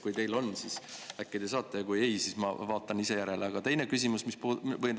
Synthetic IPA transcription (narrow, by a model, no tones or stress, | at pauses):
kujt̪e̞jlo̞nːsisækːed̪̥esɑːt̪ːˑejɑkujejsismɑvɑːt̪ˑːɑnise̞jæɾeleɑɡ̥ɑt̪e̞jne̞kys̬ʲimusmispuvɤj